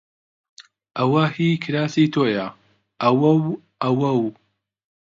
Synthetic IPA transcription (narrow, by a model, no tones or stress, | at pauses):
ʔɐwɐhiːkʰɨɾaːsiːt̪ʰoːjɐ | ʔɐwɐw | ʔɐwɐw